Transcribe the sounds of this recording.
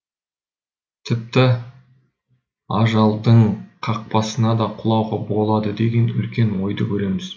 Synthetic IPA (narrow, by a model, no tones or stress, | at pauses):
t̪ʰɪp̚t̪ɪ | ɑʒɑlˠd̪əɴqʰɑq̚pɑsənɑd̪ɑqʰʊlˠɑwʁɑbo̞lˠɑd̪əd̪e̞ɡʲe̞nʏ̰lkʲe̞nwo̞jd̪əkʲʰɵɾe̞mɪz̥